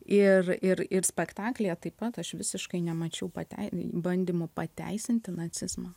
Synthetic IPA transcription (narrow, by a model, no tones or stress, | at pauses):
ɪrɪɾɪɾsʲpʲɛkt̪ɑːklʲejɛt̪ɐɪpɐt̪ɐʃʋʲɪsʲɪʃkɐɪnʲɛmɐt͡ʃʲɛʊpɐ̰t̪ʲɛ̰ɪbɐnʲd̪ʲiːmʊpɐt̪ʲæ̰ɪsʲɪnʲt̪ʲɪnɐt͡s̪ʲɪzmɑː